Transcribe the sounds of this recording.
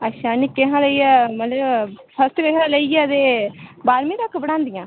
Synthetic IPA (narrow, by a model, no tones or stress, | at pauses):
ətːʃʰaːnikeɦãːləijɛːmət̪ləbpʰəst̪keɦãːləiɛət̪eːbaːɾmĩːt̪əkʰːbəɽãːnd̪ɪjãː